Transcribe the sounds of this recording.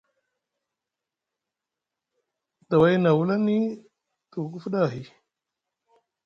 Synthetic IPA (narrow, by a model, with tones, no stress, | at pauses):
ta˨wa˦jna˨wu˦la˦ni˦ | tu˨k̬u˦fu˦ɗa˦˨ɦi˨